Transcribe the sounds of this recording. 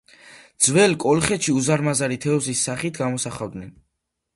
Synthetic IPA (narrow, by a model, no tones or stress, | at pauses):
d̪zwɛlkʼɔlχɛʃiuzaɾmazaɾit̪ʰɛɔzisːaχit̪ʰɡamɔsaχavd̪nɛn